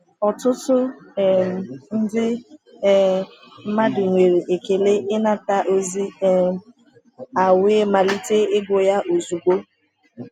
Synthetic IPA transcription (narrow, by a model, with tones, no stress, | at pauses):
ɔ˨tʊ˦tʊ˦˨ | n̩˦dɪ˦ | m̩˦ma˦dɪ˨ŋʷe˨ɾe˨ʔe˨ke˨le˦ʔɪ˦na˦ta˦ʔo˦zi˦ | a˨wɪ˦ma˨li˦te˦ɪ˦ɡʊ˨ja˦ʔo˨zu˨ɡo˦